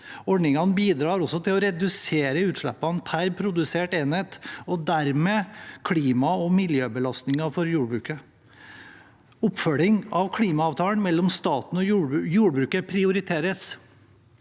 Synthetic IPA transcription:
ɔɖɳɪŋɑnbiːd̪ɾɑːɾɔsːɔt̪ʰɪlɔɾɛd̪ʉseːɾəʉːt̪ʂɭɛpːɑnpʰæɾpʰɾʊd̪ʉseːʈeːnheːt̪ɔd̪æɾmeːkʰliːmɑɔmɪljøːbəlɑst̪nɪŋɑfɔɾjuːɖbɾʉːkə | ɔpːfœɭɪŋɑʋkʰliːmɑɑːʋt̪ʰɑːəɳmɛlːɔmst̪ɑːt̪n̩ɔjuːɖbɾʉːkəpʰɾɪʊɾɪt̪ʰeːɾəs

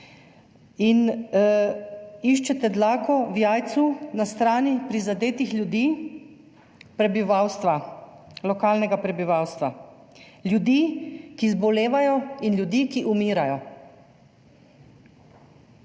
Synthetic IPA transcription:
in | iʃt͡ʃɛt̪ɛd̪laːkɔwjaːjt̪sunast̪ɾaːnipɾizad̪eːt̪ixlʲjud̪iː | pɾɛbiʋaːwst̪ʋa | lɔkaːlnɛɡapɾɛbiʋawst̪ʋa | ljud̪iːkizbɔleːʋajɔinlʲjud̪iːkiʔumiːɾajɔ

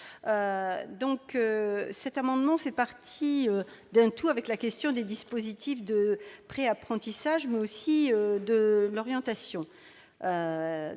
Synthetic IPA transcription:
ød̪ɔ̃køsɛt̪amɑ̃d̪mɑ̃fɛpaʁt̪ʰiød̪ɛ̃t̪uavɛklakʲɛst̪jɔ̃d̪ed̪ispozit̪ifd̪əpχeapχɑ̃t̪isaʒmɛosiød̪əlɔʁjɑ̃t̪asjɔ̃ | ø

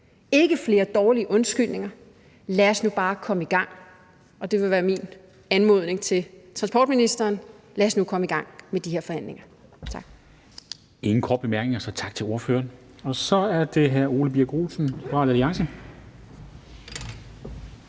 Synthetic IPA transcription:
e̝ɡ̥əfle̝ːɐd̥ɒːliəʔɔ̽nsɡ̥yl̰ne̝ŋɐ | læɐsnub̥ɑ̈ːkʰɒ̽məiɡ̥ɑ̈ŋ̰ | ɒ̽d̥e̝ʋe̝ʋæːɐmin | ænmo̝ð̞ˠne̝ŋt͡sʰe̝lt͡sʰʁɑ̈nsb̥ɒ̰ːd̥̚minisd̥ɐːn | læɐsnukʰɒ̽məiɡ̥ɑ̈ŋ̰med̥ihe̝ɐfɒ̽hæn̰le̝ŋɐ | t͡sʰɑ̈ɡ̥ | e̝ŋn̩kʰɒːd̥̚b̥emæɐɡ̥neŋɐsɒ̽t͡sʰɑ̈ɡ̥̚t͡sʰe̝lo̝ɐfø̰ːɐn | ɒ̽sɒ̽æɐd̥e̝ɦæɐ̰o̝ːləb̥iæɡ̥oːsn̩fʁɑ̈læliɑ̈ŋsə

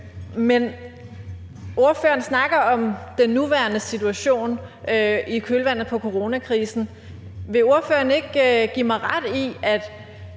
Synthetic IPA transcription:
men | o̝ɐfø̰ɐn̩snɑ̈ɡ̥ɐɒ̽md̥enːuʋæɐnəsit͡sʰuæɕo̝̰ːn | ikʰølʋæn̰ð̩ˠpʰɒ̽kʰo̝ʁo̝nækʰʁiːsn̩ | ʋe̝o̝ɐfø̰ːɐne̝ɡ̥ɡ̥imɑ̈ɪʁɑd̥iæd̥

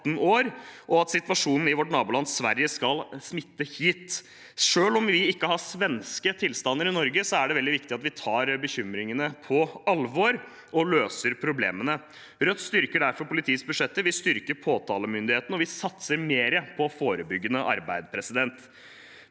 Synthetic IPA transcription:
n̩oːɾʔɔɑt̪sɪt̪ʋɑʂuːnn̩ɪʋɔʈnɑːbʊːlɑnsʋæɾjəskɑlsmɪt̪ːəhiːt̪ | ʂøːlɔmʋɪɪkːəhɑsʋɛnskət̪ʰɪlst̪ɑnːəɾɪnɔɾɡəsɔæɖɛʋɛld̪ɪʋɪkt̪ɪɑt̪ʋɪt̪ʰɑːɾbəçʏmɾɪŋənəpʰɔɑlʋɔːɾ | ɔløːsəɾpʰɾʊblḛːmənə | ɾœt̪ːst̪ʏɾkəɖæɾfɔɾpʊlɪt̪ʰiːsbʉʂɛt̪ːəʋɪlst̪ʏɾkəɾpʰoːt̪ʰɑːləmʏnd̪ɪheːt̪n̩ɔʋɪsɑt̪səɾmeːɾəpʰɔfoːɾəbʏɡːənəʔɑ̰ɾbæɪd̪əpʰɾɛsɪd̪ɛnt̪

